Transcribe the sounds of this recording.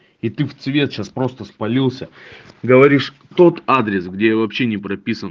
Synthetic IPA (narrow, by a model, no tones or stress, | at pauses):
ɪt̪ɨft̪svʲe̞t̪ɕaspɾo̞st̪əspɐlʲilˠsʲəɡəvɐɾʲiʂ | t̪o̞t̪ad̪ɾʲɪsɡdʲejavɐpɕːe̞nʲɪpɾɐpʲisən